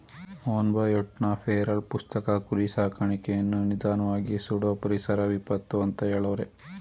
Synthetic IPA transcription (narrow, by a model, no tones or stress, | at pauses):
oːnbɐjɔʈnapʰeːɾɐlpust̪ɐkɐkuɾisaːkʰɐɳikejɐnːunid̪aːnɐʋaːɡisuɽɐpɐɾisɐɾɐʋipɐt̪ːuɐnt̪ɐeːɭɐʋɾe